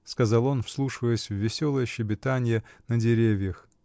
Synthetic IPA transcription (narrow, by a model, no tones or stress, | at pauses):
skɐzɑlˠo̞nfslˠuʂɨvəjsʲvːʲɪsʲolˠəjəɕɪbʲɪt̪anʲɪjənədʲɪɾʲevʲjəx